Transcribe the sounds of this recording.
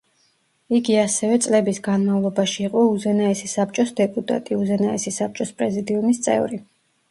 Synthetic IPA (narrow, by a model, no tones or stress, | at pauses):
iɡiasɛvɛt̪sʼlɛbisɡanmavlˠɔbaʃiːqʼɔuzɛnaɛsisap̚t͡ʃʼɔsd̪ɛpʼut̪ʼa̰t̪ʼiuzɛnaɛsisap̚t͡ʃʼɔspʼɾɛzid̪iumist̪sʼɛ̰vɾi